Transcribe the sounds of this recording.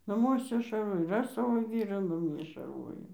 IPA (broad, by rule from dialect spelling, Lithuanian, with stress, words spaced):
nɐˈmuɔsʲɛ ʃɐrˈʋoːj ɪr ˈɐʃ ˈsɑːʋoː ˈʋʲiːrɑː nɐˈmʲiɛ ʃɐrˈʋoːjɛʊ